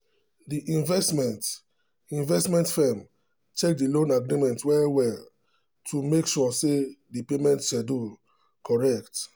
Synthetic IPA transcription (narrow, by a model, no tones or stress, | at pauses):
diʔĩnvɛstmɛ̃nt | ĩnvɛstmɛ̃ntfɛm | tek̚dilõnaɡɹimɛ̃ntwɛwɛl | tʰumekʃɔsedipemɛ̃ntʃɛdu | kʰɔɹɛkt